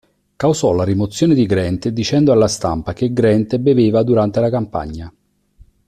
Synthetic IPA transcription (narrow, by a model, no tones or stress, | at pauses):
kawzɔlaɾimot̪sːjoːned̪iɡɾɛnt̪ed̪ːit͡ʃɛnd̪oalːast̪a̰mpak̟eɡɾɛnt̪ebeveːvad̪uɾant̪elakampa̰ɲːa